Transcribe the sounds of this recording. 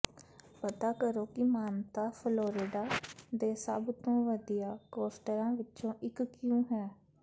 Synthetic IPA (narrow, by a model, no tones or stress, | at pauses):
pət̪aːkəɾoːkɪmaːnt̪aːpʰloːɾɪːɖaːd̪eːsəbt̪õːʋəd̪ijaːkoːsʈəɾãːʋɪtːt͡ʃõːʔɪkkjũːɦɛː